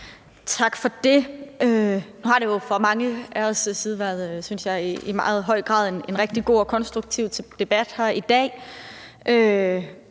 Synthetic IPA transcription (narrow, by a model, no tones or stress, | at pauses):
t͡sʰɑ̈ɡ̥fɒ̽d̥e̝ønuhɑ̈ɾe̝jo̝fɒmɑ̈ŋəæɐssiːð̞ˠʋæɐðˠøsynsjɑ̈ɪiimɑ̈ːð̩ˠɦɒ̽ɪ̰ɡ̥ʁɑ̰̈ːðˠe̝ne̝nʁɛɡ̥̚d̥iɡ̥o̝̰ːɒ̽kʰɒ̽nsd̥ʁuɡ̥̚t͡sʰiʊdʰd̥e̝b̥æd̥hæɐid̥ɛ̰ː | ʔø